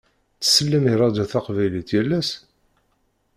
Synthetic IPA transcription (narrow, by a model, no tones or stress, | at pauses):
t͡sːə̥sːəlːəmiɾˤɑd̪æθaqvæjliθjælːæs